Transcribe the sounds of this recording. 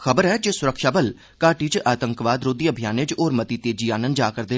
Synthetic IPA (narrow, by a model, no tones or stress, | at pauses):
xʰəbəɾɦɛːd͡ʒesʊɾəkʃaːbəl | kaːʈiːt͡ʃaːt̪əŋkʋaːd̪ɾoːd̪iːəbʱjaːnet͡ʃoːɾmət̪iːt̪eːd͡ʒiːaːnənd͡ʒaːkəɾd̪eː